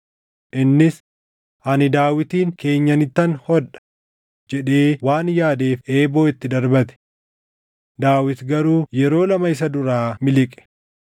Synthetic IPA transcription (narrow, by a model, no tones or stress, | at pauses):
ʔɪnːɪs | ʔɐnɪd̪aːwɪt̪iːŋke̞ːɲːɐnɪt̪ːɐnhɔᶑɐ̥ | d͡ʒɛᶑeːwaːnjaːd̪e̞ːfeːboːɪt̪ːɪd̪ɐɾbɐt̪ɛ̥ | d̪aːwɪt̪ɡɐɾuːjɛɾo̞ːlɐmɐɪs̬ɐd̪ʊɾaːmɪlɪkʼɛ̥